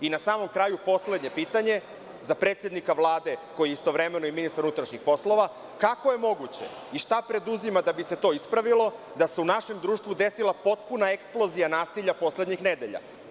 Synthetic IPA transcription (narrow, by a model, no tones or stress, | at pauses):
inasaːmo̞mkɾaːjupo̞sle̞d̪ɲe̞piːt̪aɲe̞ | zapɾet̪sʲje̞d̪nikaʋlˠaːd̪e̞ko̞jieist̪o̞ʋɾeme̞noiminist̪aɾunut̪ɾaʃɲixpo̞slo̞ʋa | kakojemo̞ɡut͡ɕe̞̰ | iʃt̪apɾe̞d̪uzimad̪abise̞t̪o̞ːispɾaʋilˠo̞ | d̪ase̞unaʃe̞md̪ɾuːʃt̪vʋud̪e̞silˠapo̞t̪̚punaeksplˠo̞zijanaːsiʎapo̞sle̞d̪ɲixned̪e̞ʎa̰